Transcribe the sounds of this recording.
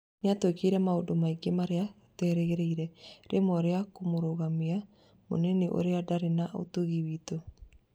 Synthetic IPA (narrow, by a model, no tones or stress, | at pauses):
neatwekeiɾɛmaodomaiɡemaɾea | tɛːɾɛɣeɾɛiɾɛɾemɔɾeakomoɾoɣamia | mo̰neneʔo̰ɾeadaɾenaʔo̰toɣiβiːto